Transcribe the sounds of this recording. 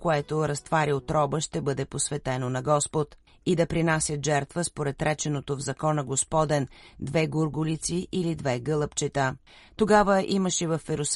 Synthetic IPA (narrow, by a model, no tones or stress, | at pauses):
koɛt̪oɾɐst̪vaɾiot̪ɾɔbəʃt̪ɛbɤd̪ɛposvɛt̪ɛnonɐɡɔspot̪ | id̪ɐpɾinasʲjət̪ʒɛɾt̪vəspoɾɛt̪ɾɛt͡ʃɛnot̪ovzɐkɔnəɡospɔd̪ɛnd̪vɛɡuɾɡʊlit̪siʔilid̪vɛɡɤlˠəpt͡ʃɛt̪ə | t̪oɡavəʔiməʃɛvɐfɛɾʊs